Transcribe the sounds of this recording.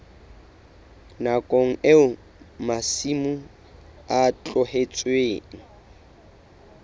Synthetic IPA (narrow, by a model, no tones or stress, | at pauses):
nakʼoŋ̩eʊ | masimu | at͡ɬʼʊhet͡sʼweːŋ̩